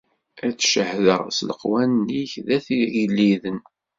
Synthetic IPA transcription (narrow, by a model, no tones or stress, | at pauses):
æt͡sːʃəhðəʁsləqwænːiçðæθilːiðən